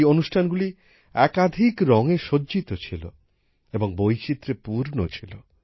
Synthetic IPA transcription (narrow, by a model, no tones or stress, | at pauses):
jonuʃʈʰanɡuli | ɛkad̪ʱikɾɔŋeʃoːd͡ʑit̪ot͡ɕʰilo̰ | eboŋbojt͡ɕit̪ːɾepuɾnot͡ɕʰilo